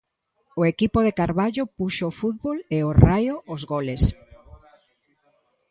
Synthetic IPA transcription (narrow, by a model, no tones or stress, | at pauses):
oekipoðekaɾβaʎopuʃoːfuðβoleorajoozɣoles